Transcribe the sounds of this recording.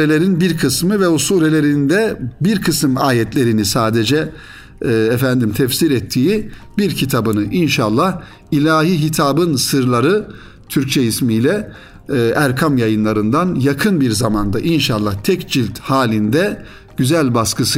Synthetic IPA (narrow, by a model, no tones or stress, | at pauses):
ɾelʲeɾinbiɾkʰɯsmɯvɛosuːɾelʲe̞ɾind̪ɛbiɾkʰɯsɯmaːjɛt̪lʲe̞ɾinisaːd̪ed͡ʒɛː | ɛfænd̪imt̪ʰɛfsiɾɛt̪ʰːiːi | biɾcʰit̪ʰabɯnɯʔinʃalˠːah | ilʲaːɦiːɦit̪ʰaːbɯnsɯɾlˠaɾɯ | t̪ʰyɾc̚t͡ʃʰɛismijlʲɛ | ʔæɾkʰamjajɯnlˠaɾɯnd̪anjakʰɯnbiɾzamand̪aʔinʃalˠːaht̪ʰɛcd͡ʒilʲt̪haːlʲind̪ɛ | ɟ̥yzælʲbaskɯsɯ